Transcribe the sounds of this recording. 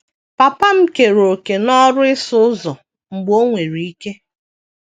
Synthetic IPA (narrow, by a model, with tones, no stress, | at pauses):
pa˨pa˦m̩˦ke˨ɾo˨ke˨nɔ˦ɾʊ˦ɪ˦sʊ˦ʊ˦zɔ˨ | ŋ͡m̩˨ɡ͡bo˦ŋʷe˨ɾi˨i˦ke˦